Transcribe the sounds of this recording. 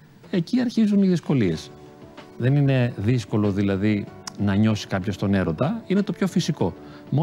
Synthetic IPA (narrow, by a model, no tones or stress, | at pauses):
e̞ciɐɾçizuniðisko̞lie̞s | ðe̞nine̞ðisko̞lo̞ðilɐðinɐɲo̞si̥kɐpço̞st̪o̞ne̞ɾo̞t̪ɐine̞t̪o̞pço̞fisiko̞ | mo